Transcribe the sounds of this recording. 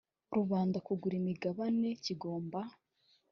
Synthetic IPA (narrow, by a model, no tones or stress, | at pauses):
ɾuβaːndakuɡuɾimiɡaβane̞ciɡo̞ːmba